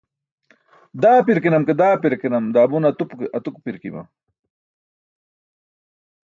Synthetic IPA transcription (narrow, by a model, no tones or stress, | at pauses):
d̪aːpiɾkinɐmked̪aːpiɾkinɐmd̪aːbunɐt̪upkeʔɐt̪ukpiɾkḭbɐ̰